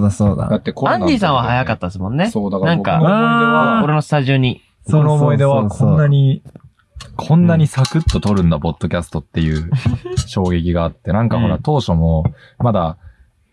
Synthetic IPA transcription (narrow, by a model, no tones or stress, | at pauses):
od̪asoːd̪a̰d̪at̪ːekoãɲːiːs̬ãɰ̃βahajakat̪ːad̪es̬mõ̞nːe̞soːd̪aknãŋka̰aoɾe̞no̞sɨ̥t̪aʑio̞ɲ̟i | ssonoːmo̞id̪e̞βakʰõnːaɲ̟i | kʰõ̞nːaɲ̟isakɯ̟t̪ːo̞t̪o̞ɾɯ̟̃nd̪apo̞d̪̥ːo̞kʲasɨ̥t̪o̞t̪ːe̞jɯ̟ːɕo̞ːɡe̞kʲiɡaːt̪ːe̞nãŋkaho̞ɾa̰t̪o̞ːɕo̞mo | mad̪a